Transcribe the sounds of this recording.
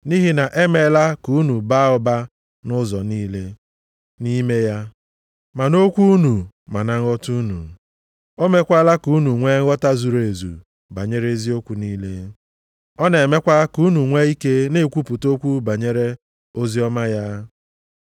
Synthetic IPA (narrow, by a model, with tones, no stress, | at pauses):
ni˦ɦi˦na˨ʔe˦me˨˦la˦ku˨˦nu˨ba˦ʊ˦ba˦ | nʊ˦zɔ˨niː˦le˦ | ni˦me˦ja˦ | ma˨no˦kʷu˦nu˨ | ma˨na˨ŋ̩˦ɔ˦tu˦nṵ˨ | o˦me˦kʷa˦la˦ku˨˦u˦nu˨ŋʷe˦ɔ˦ta˦zu˨ɾe˨zṵ˨ | ba˨ɲe˦ɾe˦zi˦o˦kʷu˨niː˦le˦ | ɔ˦ne˨me˦kʷa˦ku˨˦nu˨ŋʷe˦i˦ke˦ne˦˨kʷu˦pu˨to˦kʷu˦ba˨ɲe˦ɾe˦ | o˦zi˦ɔ˦ma˦ja˦